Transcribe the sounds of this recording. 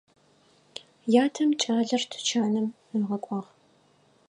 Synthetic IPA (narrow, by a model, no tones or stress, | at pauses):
jaːtʰɐmt͡ʃʼaːɮɐrtʰt͡ʃʰaːnɨm | ɨʁɐkʷʼɑːʁ